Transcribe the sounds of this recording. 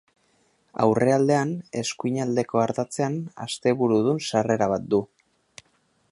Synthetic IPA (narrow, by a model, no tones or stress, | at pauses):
a̰wre̞ald̪e̞ane̞skujɲald̪e̞ko̞aɾt̪at͡se̞ana̰st̪e̞βuɾuð̞unsare̞ɾaβat̪̚d̪u